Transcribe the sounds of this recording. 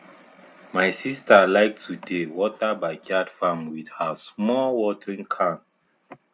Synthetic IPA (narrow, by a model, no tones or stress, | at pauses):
majsistəlajk̚tʰudewɔtəbajɡadfãmwidhəsmɔlwɔtəɹĩŋkʰãn